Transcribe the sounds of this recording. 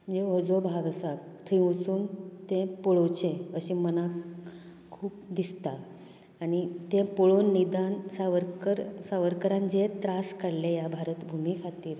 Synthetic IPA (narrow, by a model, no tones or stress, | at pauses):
md͡ʑeɔd͡zobʱaɡasat̪ʰĩut͡suːnt̪ẽpɔɭowt͡ɕẽəɕiməna | kʰuːp̚d̪ist̪aː | ɽ̃it̪ẽpɔɭonːid̪ansaʋəɾkəɾsaʋəɾkəɾãnd͡ʑet̪ɾaskaɽlejabʱaɾət̪bʱumikʰat̪iːɾ